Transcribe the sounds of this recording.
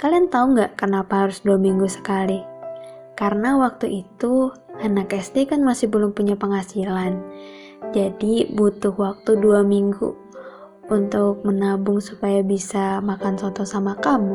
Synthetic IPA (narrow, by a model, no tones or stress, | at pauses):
kaliant̪auŋɡaʔkənapaɦaɾʊsduamiŋɡusə̥kali | kaɾənawak̚t̪uʔit̪uanakɛst̪ekanmasɪhbəlʊŋpuɲapəŋasilan | d͡ʒadibut̪ʊhwak̚t̪uduamiŋɡṵ | unt̪ʊk̚mənabʊŋsupajabisamakansɔt̪ɔsamakamu